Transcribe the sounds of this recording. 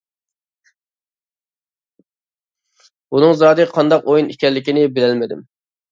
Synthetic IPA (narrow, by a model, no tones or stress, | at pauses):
bunɨŋzɑd̪ɨqʰɑnd̪ɑqojinikʲɛlːɪkʲinɪbɪlɛlmɪd̪ɪ̰m